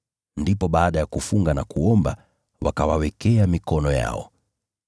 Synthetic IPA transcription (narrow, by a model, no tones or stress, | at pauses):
ndipɔɓaːɗajakufuŋɡanakuɔmba | wakawawɛkɛamikɔnɔja̰ɔ̰